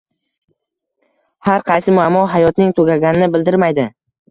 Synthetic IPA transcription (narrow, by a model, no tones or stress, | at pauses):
haɾqʰɑjsɪmʊamːɒɦajɒt̪nɪŋt̪ʰoɡʲaɡʲanɪnɪbɪld̪ɪɾmajd̪ɪ